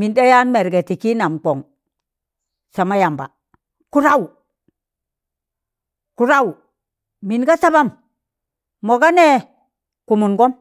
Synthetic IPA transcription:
mi˨nda˦ja˦nme˨ɾɡe˨ti˨ki˦na˨mk͡po˨ŋ | sa˨ma˦ja˨mba̰˨ | ku˦ɾa˦wu˨ | ku˦ɾa˦wu˨ | mi˨nɡa˦sa˦ba˦m | mo˨ɡa˦ne˦ | ku˨mu˨nɡo˦m

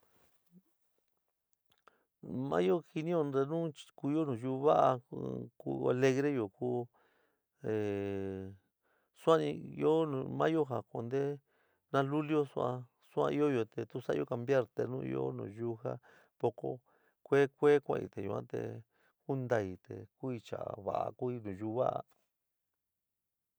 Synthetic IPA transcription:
mã̰˦jo˦hi˧nĩ˦jo˧ɾe˧nũ˦t͡ʃku˧jo˦nũː˨juː˧βa˦ʔa˧kṵ˧a˧le˧ɣɾe˦jo˨ku˦ | e˨ | sʷã˦ĩ˧jõ˦˧mã˦jo˦ɦa˨ko˧nd̪e˦ | nã˦lu˦ljo˦su˦ã˧ | su˦ã̰˧i˦o˦jo˧t̪e˧t̪u˦sa̰˦˧jo˦˧ka˧mbja˦ɾt̪e˧nũ˦˧ḭ˧o̰˦nṵ̃ː˨ju˦ha˦ | po˧ko̰˧ | kʷe˦kʷe˦kʷã̰˧˨ḭ˧t̪e˨ju˨˧ã̰˦t̪ḛ˧ | ku˦nd̪a˧˨i˧˨t̪ḛ˨ku˦i˧t͡ʃa˨a˨βa̰˨ʔa̰˧ku˦i˧nũ˨ju˧˦βa˦ʔa˧

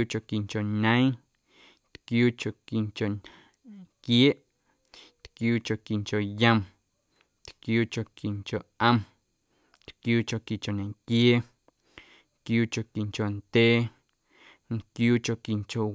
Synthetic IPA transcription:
u˦t͡ʃo˨ki˨ŋt͡ʃo˨ɲə̃˦j̃ | t̪kjuː˦t͡ʃo˨ki˨ŋt͡ʃo˨ | ŋkje˦ʔ | nt̪kjuː˦t͡ʃo˨ki˨ŋt͡ʃo˨jə̃˧m | t̪kjuː˦t͡ʃo˨ki˨ŋt͡ʃo˨ʔʔə̃˧m | t̪kjuː˦t͡ʃo˨ki˨t͡ʃo˨nẽ˨ŋkje˦ | kjuː˦t͡ʃo˨ki˨ŋt͡ʃo˨nd̪̥ʲeː˦ | nkjuː˦t͡ʃo˨ki˨ŋt͡ʃo˨

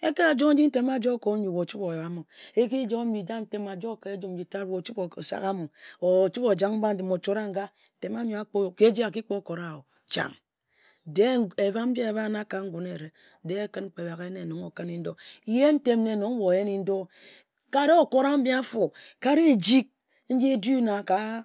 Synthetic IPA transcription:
e˦ke˦a˨d͡ʒo˦ŋn̩˦d͡ʒi˦n̩˦te˦m˦a˦˨d͡ʒo˦ko˨˦ɲi˨wo˨t͡ʃu˦po˨jo˨a˦mo˨e˦ki˦d͡ʒo˦mi˨da˦n̩˦te˦ma˨d͡ʒo˦˨ke˨e˦d͡ʒo˦m̩˨d͡ʒi˨ta˦ɾwo˨t͡ʃu˦bo˨sa̰˨ka˦mo˨o˨t͡ʃu˦po˨d͡ʒa˦ŋm̩˦ba˦n̩˦de˨mo˨t͡ʃo˦ɾa˦ŋ̩˦ɡa˦˨ | te˨ma˦ɲi˨˦a˦k͡po˦˨ke˦d͡ʒi˦a˨ki˦k͡po˦ko˨ɾa˨o˨ | t͡ʃa̰˨ŋ | de˦e˨va˦m̩˦ba˦e˨ba˦na˦ka˨ŋ̩˦ɡʷu˨ne˨ɾe˨ | de˦e˦kɨ˦nŋ͡m̩˦k͡pe˨ba˨ɣe˦ne˨no˨ŋo˨ka˦ni˦n̩˦do˦je˦n̩˦te˦mne˨no˨˦ŋ˦wo˨je˦ni˦n̩˦do˦ | ka˦ɾe˦o˨ko˦ɾa˦m̩˦bi˦a˦fo˨ka˦ɾe˦˨d͡ʒi˦k̚ | n̩˦d͡ʒi˦e˦du˦na˨ka˨˦

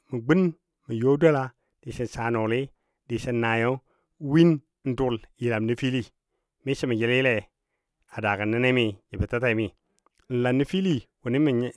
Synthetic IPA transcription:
mi˨ɡ͡bi˦n | mi˨jo˦do˦la˨ | d̥i˨si˨n˨sa˨no˨li˦ | di˨si˦nːa˨jo˦ | wi˦n˦ | n̩˦du˦˨lji˨la˨mni˦fi˦li˦ | mi˦si˦mi˨d͡ʒi˦li˦le˨ | a˨da˨ka˨nːi˦ne˦mi˨ji˨bi˨ta˦ta˦i˨mi˨ | n̩˨la˨nːi˦fi˦li˦wu˨ni˦mi˨ɲ˦

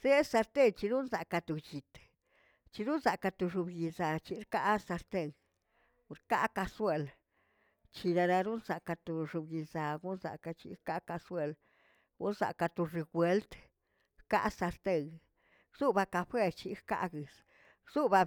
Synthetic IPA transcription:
se˦sa˧ɾt̪e˦˧t͡ʃi˧ɾu˦nza˨ka˧t̪u˨t͡ʃi˨t̪ | t͡ʃi˧ɾu˦nza˨ka˧t̪u˧ʐu˧bji˧za˨t͡ʃi˧ɾka˦sa˧ɾt̪e˦˧ŋ˧ | ɾka̰˦ka˧swe˧l | t͡ʃi˧ɾa˧ɾa˧ɾu˦nza˨ka˧t̪u˨ʃu˧bji˧za˨ɡu˦nza̰˨ka˧t͡ʃḭ˧ka˦ka˧swe˦˧l | ɡu˦nza̰˨ka˧t̪u˧ɾi˧ɡwe˧lt̪ | ka̰˦ʔsa˧ɾt̪e˦˧ŋ | z̥u˦ba˧ka˧ɸwe˦t͡ʃi˧ka̰˦˧ʔɡɨ˨s | z̥u˦ba˧

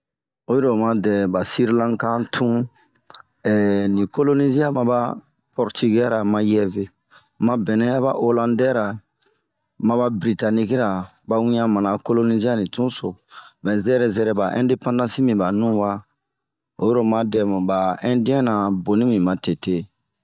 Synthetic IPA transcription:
o˨˦jo˦ɾo˨mã˦dɛ˨ba˨si˦ɾlã˦kã˦tʰũ˦ | ɛ˨nĩ˨ko˦lo˦ni˦zi˦a˦mã˨ba˦ | pɔ˨ɾti˦ɡɛ˦ɾa˨mã˦jɛ˦ve˨ | mã˦bɛ˨nɛ̃˦a˦βa˦ʔo˦lã˦ndɛ˦ɾa˨ | mã˦ba˦bɾi˨ta˨ni˦ki˦ɾa˨ | ba˨˦wĩ˦ɲã˦mã˨na˨ko˦lo˦ni˦zi˦a˦nĩ˨tũ˦so˨mɛ˨zɛ˦ɾɛ˨zɛ˦ɾɛ˨ba˨ʔɛ̰̃˦nde˦pã˦ndã˦si˦mĩ˨ba˨nũ˦wa˦ | o̰˨˦jo˦ɾo˦ma˦dɛ˨m˨ba˨ɛ̃˦di˦ɛ̃˦nã˨bo˨nĩ˦mĩ˨ma˨te˨te˦

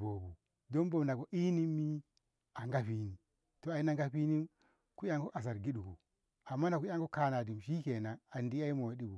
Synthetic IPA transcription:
o˨bu˨ | do˦mbo˨m˨na˨ko˨ʔi˦ni˦mi˦ | a˨ŋɡa˦ɸi˦ni˨ | to˨a˨i˦na˦ŋɡa˦ɸi˦ni˦ | ku˦ja˦ŋko˦ʔa˨s̬a˨ɾɡi˦ɗu˨kṵ˨ | a˨mːa˦na˨ku˦a˦ŋko˦ka˦na˨di˨mʃi˦ke˨na˨a˨ndi˦a˦i˦mo˨a˨di˦bu˨

